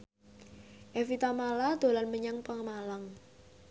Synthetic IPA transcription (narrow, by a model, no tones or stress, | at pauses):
ʔefit̪amalad̪̥o̤lanməɲaŋpəŋəmalaŋ